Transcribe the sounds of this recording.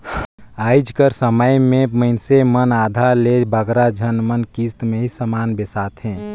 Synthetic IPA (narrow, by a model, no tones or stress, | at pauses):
aːid͡ʒkəɾsəməjmẽməɪnsemənaːd̪ʱaɾlebʱəɡɾad͡ʒʱənmənkiːst̪mẽɦisəmaːnbesaːt̪ɦɛ̃ː